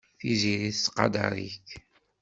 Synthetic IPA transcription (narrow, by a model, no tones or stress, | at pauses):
θiziɾiθsqɑ̰d̪ɑ̰ɾḭç